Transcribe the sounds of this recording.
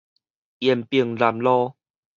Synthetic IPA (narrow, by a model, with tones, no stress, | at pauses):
jɛ˧˩˨mpi˧˩əŋla˧˩mlɔ˦˧